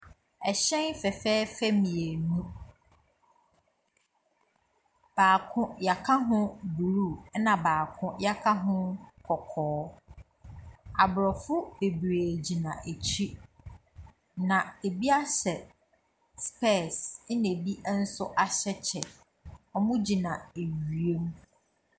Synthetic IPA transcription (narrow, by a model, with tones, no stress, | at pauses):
ɛ˨ɕɛ̃˦nfɛ˨fɛː˦fæ˦mĩ˨e˨nũ˦ | b̥aː˨kʰʊ̃˦ja˨kʰa˦ɦʊ̃˦bu˨ɾu˦˨˦nã˨baː˨kʰʊ̃˦ja˦kʰa˦ɦʊ̃˦kʰɔ˨kʰɔː˨˦ | a˨bɾɔ˨fʊ˦e˨bɾæː˨d͡ʑi˨nã˨ʔe˨t͡ɕʰi˦ | nã˨e˨bi˦a˦ɕɛ˨ | spʰɛ˦˨snẽ˨bi˦ʔn̩˦sʊ˦ʔa˨ɕɛ˦t͡ɕʰɛ˨ | ɔ˦mʊ̃˦d͡ʑi˨nã˨e˨ɥɥi˨e˦m˦